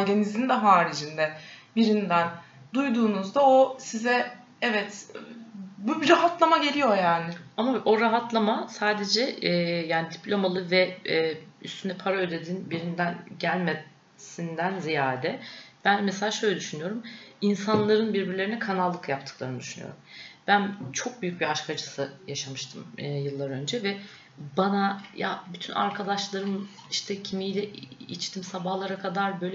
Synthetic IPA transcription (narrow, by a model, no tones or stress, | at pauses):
ɟenizind̪ɛɦaːɾid͡ʒind̪ɛbiɾind̪æn | d̪ujd̪uːnuzd̪aosizɛ | ɛvɛt̪ | bubɾaɦat̪lˠamaɟe̞lʲijo̞jaːnɪamaʔo̞ɾaɦat̪ʰlˠamasaːd̪e̞d͡ʒɛjaːnid̪ipʰlʲo̞malˠɯvɛɛːyst̪ʰynɛpʰaɾaød̪ed̪iːnbiɾind̪ænɟælʲme | sind̪ænzijaːɾed̪ɛb̥ænmɛselʲaːʃø̞jlʲɛd̪yʃynyjo̞ɾuminsanlˠaɾɯnbiɾbiɾlʲeɾinɛkʰanalˠːɯkjap̚t̪ʰɯ̥klˠaɾnd̪yʃyny̰jo̰ɾumb̥ænt͡ʃʰo̞k̚byjyc̚biaʃkʰad͡ʒɯsɯjaʃamɯʃt̪ʰɯmːjɯlˠːaɾø̞nd͡ʒɛvɛ | banaja̰byt̪ʰyna̰ɾkʰad̪aʃlˠaɾɯm | iʃt̪ʰɛcʰimijlʲɛʔit͡ʃt̪ʰimsabahlˠaɾakʰad̪aɾbø̞jlʲɛ